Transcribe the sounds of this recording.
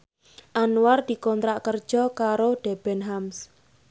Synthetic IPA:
ʔanuward̪̥i̤kɔnt̪ɾaʔkərd̥ʒ̥ɔkaɾoɖ̥ɛb̥ɛnɦams

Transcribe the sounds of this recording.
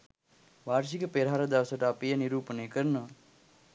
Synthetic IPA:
ʋaːɾsikəpeɾɦaɾəd̪aʋəsəʈəapijəniɾuːpənejkəɾnəʋə

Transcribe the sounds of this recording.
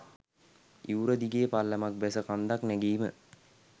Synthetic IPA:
iwɾəd̪iɡejəpalːəmak̚bɛsəkand̪aknæɡiːmə

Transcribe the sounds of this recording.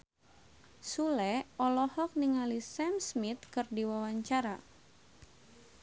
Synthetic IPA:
sulɛɔlɔhɔk̚niŋalisɛmsmit̪̚kɨrdiwawaɲt͡ʃaɾa

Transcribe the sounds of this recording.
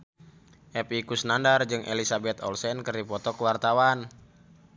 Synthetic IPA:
ʔɛpikusnandard͡ʒɨŋʔḛlisabɛt̪ɔ̰lsɛnkɨrdipɔt̪ɔkəwart̪awan

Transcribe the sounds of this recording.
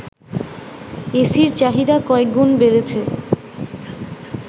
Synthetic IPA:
esiɾt͡ɕaɦid̪akɔek̚ɡonbeɾet͡ɕʰe

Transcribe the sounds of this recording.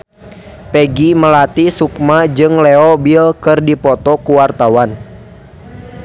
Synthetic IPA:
pɛɡiməlat̪isuk̚mad͡ʒɨŋlɛɔbilkɨrdipɔt̪ɔkuwart̪awan

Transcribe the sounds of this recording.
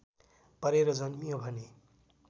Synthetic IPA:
pʌɾeɾʌd͡zʌnmijobʱʌne

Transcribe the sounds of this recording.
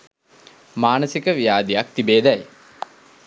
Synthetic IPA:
maːnəsikəʋijaːd̪ijak̚t̪ibeːd̪ɛj

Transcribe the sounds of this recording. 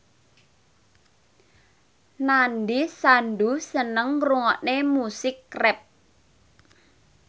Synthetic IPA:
nanɖisanɖusənəŋruŋɔʔnemusɪkːrɛp̚

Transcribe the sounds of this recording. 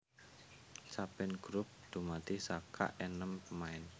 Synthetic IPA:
t͡ʃapɪnɡ̥ɾʊp̚d̪̥ṳmat̪isakʰa̰ʔɛnəmpəmaɪn

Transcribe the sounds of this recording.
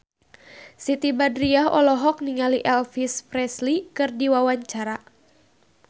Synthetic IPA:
sit̪ibadɾiaɦɔ̰lɔɦɔk̚niŋaliʔɛlfispɾɛslikɨrdiwawaɲt͡ʃaɾa

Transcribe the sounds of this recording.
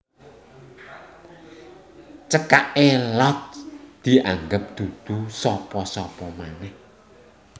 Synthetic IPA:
t͡ʃəkaʔelɔt̚d̪̥i̤ʔaŋɡəp̚d̪̥ud̪̥usɔpɔsɔpɔmanɛh

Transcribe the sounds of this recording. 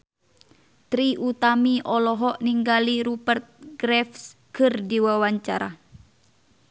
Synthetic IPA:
t̪ɾiʔut̪amiʔɔlɔɦɔʔniŋɡaliɾupərt̪̚ɡɾɛfskʰɨrdiwawaɲt͡ʃaɾa

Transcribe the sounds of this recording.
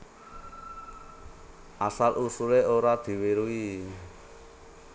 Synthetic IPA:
ʔasalʔusuleoɾad̪̥i̤weɾui

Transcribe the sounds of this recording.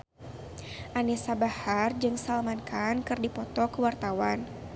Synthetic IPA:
ʔanisabahard͡ʒɨŋsalmankʰankɨrdipɔt̪ɔkəwart̪awan

